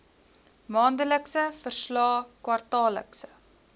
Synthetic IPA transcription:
mɑːndələksəfərslɑːkwɐrtɑːlə̰ksə

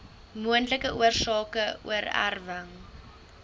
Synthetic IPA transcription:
muəntləkəʔṵərsɑːkəṵəra̰rvəŋ

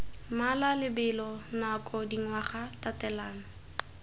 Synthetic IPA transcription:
malalɪbɪlɔnakʼɔdiŋwaχatatɛlaːnɔ

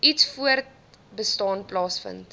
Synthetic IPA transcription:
itsfuərt̚ | bəstɑːnplɑːsfə̰nt

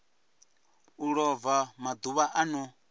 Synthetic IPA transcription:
uɺɔvamad̪uβaʔanu

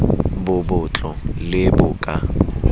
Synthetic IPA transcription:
bʊbʊt͡ɬʼɔlɪbʊːkʼa

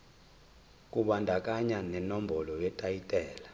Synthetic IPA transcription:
kʼuɓandʱakʼaɲanɛnombʱɔlɔjɛtʼajitʼɛːla

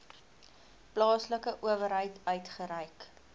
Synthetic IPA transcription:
plɑːsləkəʔuəvəɾɦəjtœɥtχəɾəjk

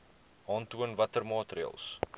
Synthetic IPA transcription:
ɑːntuənvɐtərmɑːtriə̰lˠs

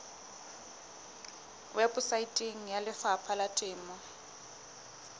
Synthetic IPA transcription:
wɛbʊsaitʼiŋ̩jalɪfapʰalatʼɪːmɔ

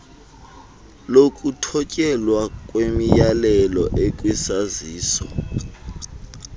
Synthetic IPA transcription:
lokʼutʰɔcʼɛlwakʼwemijalɛlɔʔekʼwisaziːsɔ

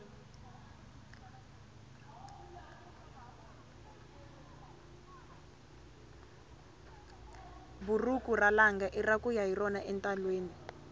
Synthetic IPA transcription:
burukuralaŋɡaʔirakujaɦirɔnaʔɛntʼalweːni

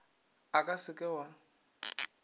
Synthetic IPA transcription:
akʼasɪkʼɛwa

